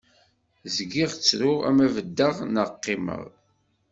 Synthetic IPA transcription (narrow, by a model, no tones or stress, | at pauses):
zɡiʁt͡sːɾʊʁæ̰mævəd̪ːəʁnəqːɪmə̰ʁˤ